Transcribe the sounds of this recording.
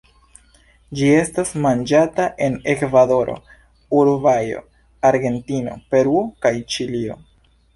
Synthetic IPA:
d͡ʒie̞stasmand͡ʒataʔe̞ne̞kvado̞ɾo̞̰ | uɾvajo̞̰ | aɾɡe̞ntino̞̰pe̞ɾuokajt͡ʃilio̞

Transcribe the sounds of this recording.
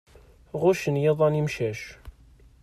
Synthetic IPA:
ʁʊʃənjeðˤɑnimʃæʃ

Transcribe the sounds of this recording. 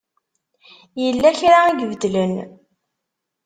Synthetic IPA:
jəlːæçɾaiɡvəd̪lən

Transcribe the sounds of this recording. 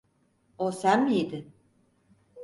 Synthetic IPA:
osænmied̪ɪ

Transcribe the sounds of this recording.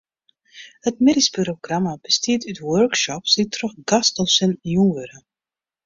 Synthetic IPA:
hətmɪdispyɾoɡramabəstiətytwœrkʃɔpsditrɔxɡastɔlˠsənjunʋøɾə

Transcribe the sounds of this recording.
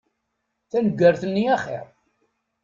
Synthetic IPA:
θænəɡːəɾθənːiaχḭɾ

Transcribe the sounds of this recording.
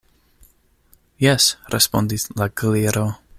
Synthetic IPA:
jɛsrʔɛspɔndɪθlˠaɡlɪɾɔ

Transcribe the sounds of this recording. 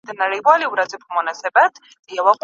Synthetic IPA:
d̪anaɾɛbwaliuɾazʼipʰumɔnasɛbat̪ʰ | iawaqʼ

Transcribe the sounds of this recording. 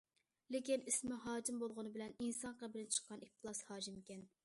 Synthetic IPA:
lɪkʲinismɪɦɑːd͡ʒimbolˠʁʊnɨbɪlɛninsɑɴqɑbɪlɪnt͡ʃʰə̥qːɑnit̪ʰɨlˠɑshɑːd͡ʒimkʲɛn

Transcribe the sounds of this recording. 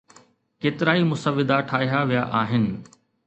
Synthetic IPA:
keːt̪ɪɾaːimʊsəʋːɪd̪aʈʰaːɦijaʋijaʔaːɦɪnɪ̆

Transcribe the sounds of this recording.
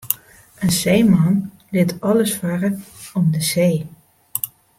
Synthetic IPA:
ənsejmɑn | lɪtɑləsfarəɔmdəseː

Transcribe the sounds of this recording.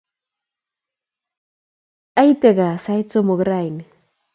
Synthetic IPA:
ajt̪eɣɑsajt͡somoɡɾajn

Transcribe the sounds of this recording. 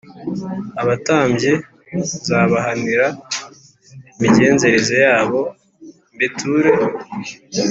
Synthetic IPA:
aβataːmɟe | zaːβaɦaniɾa | imiɟe̞ːnze̞ɾezejaːβo̞ | mbitʰuːɾe

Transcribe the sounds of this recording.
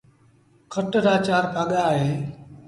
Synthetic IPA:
kʰəʈɾaːt͡ʃaːɾpʰaːɠaːɦeː

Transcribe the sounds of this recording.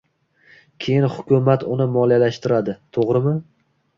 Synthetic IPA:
kʲʰe̞jɪnhʊkʲʰʊmat̪ʊnɪmɒljalaʃt̪ɪɾad̪ɪt̪ʰoʁɾɪmɪ

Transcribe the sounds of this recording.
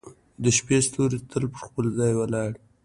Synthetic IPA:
d̪əʃpest̪oɾet̪ʰəlpəɾxpəlzɑjwalɑɽ

